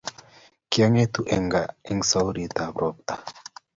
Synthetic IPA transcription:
kja˦ŋe˦t̪u˨ʔɛ˨ŋɡa˨ɛ˦ŋsa˦wɾi˨t̪a˨bɾʔɔ˨p̚t̪a˨

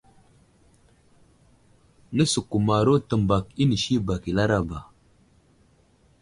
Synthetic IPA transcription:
nə˦su˨ku˨ma˨ɾo˦tə˨mba˨ki˦ni˨ʃi˦ba˨ki˨la˦ɾa˦ba˨

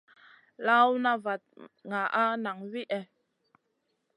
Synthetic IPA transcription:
la˦wu˦na˦va˨t̪̚ŋa˨ʔa˦na˨ŋvi˦ʔɛ˨

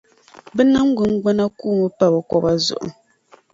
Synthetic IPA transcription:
bɛ˦na˦ŋ̩˦ɡu˨ŋ̩˦ɡ͡bɛ˦na˦kuː˦˨mɨ˦pa˦bɨ˨kɔ˦ba˦zʊ̰˨ʔṵ˨

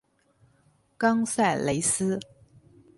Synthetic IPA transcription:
kɑ˥ŋsa˥˩ɪle˧˥ɪsɹ̩˥

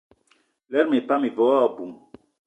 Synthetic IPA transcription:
lɛ˦ɾme˨pa˦mi˨vɔ˨˦a˦˨bu˨m

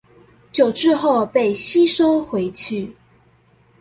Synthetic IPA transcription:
t͡ɕjo˨˩ʊʈ͡ʂɻ̩˥˧xo˥˨˧ʊpe˥˩ɪɕi˥ʂo˥ʊxwe˧˥ɪt͡ɕʰy˥˨˩

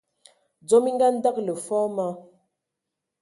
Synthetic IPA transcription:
d͡zɔ˨˦mi˦ŋɡa˦n̩˦da˦k̚lə˨fɔ˦ma˦

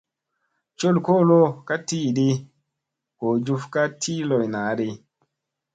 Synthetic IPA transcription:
t͡ʃo˦˨lko˦˨lo˦ka˦ti˦˨di˦ | ko˨d͡ʒu˧fka˦tʰi˦lɔ˨jna˨˦di˧

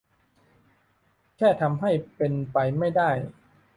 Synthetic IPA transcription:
kʰɛː˥˩t̪ʰa˧mɦa˥˩jpe˧npa˧jma˥˩jdaː˥˩j

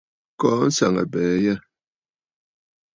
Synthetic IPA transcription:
kɔː˨˦n̩˦sa̰˨ŋə̰˨bɛː˨˦jɛ˦˨

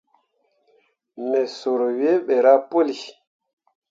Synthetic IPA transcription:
nɛ˨so˨ɾwe˦ɓɛ˨ɾa˦po˦li˨

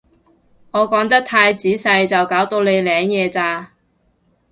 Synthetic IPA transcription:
ŋɔː˨˧kɔː˨˥ŋt̪ɐ˥k̚t̪ʰaː˧jt͡siː˨˥sɐ˧jt͡sɐ˨wkaː˨˥wt̪o˧wle˨˧jlɛː˨˥ŋjɛː˨˧t͡saː˧

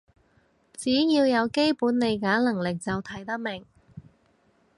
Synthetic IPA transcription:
t͡siː˨˥jiː˧wjɐ˨˧wke˥jpuː˨˥nle˨˧jkaː˨˥lɐ˨˩ŋlɪ˨k̚t͡sɐ˨wt̪ʰɐ˨˩jt̪ɐ˥k̚mɪ˨˩ŋ

